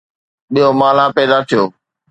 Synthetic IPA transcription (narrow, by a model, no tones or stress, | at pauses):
ɓiːɦomãːlãpɛːd̪at̪ʰijoː